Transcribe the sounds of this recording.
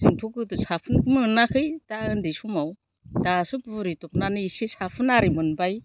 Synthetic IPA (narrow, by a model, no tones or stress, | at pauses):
zintʰokɯtusapʰɯnkmɯnakʰɯjtaɯndisumaw | dasɯpuɾitupnanɯisisapʰɯnaɾimɯnbaj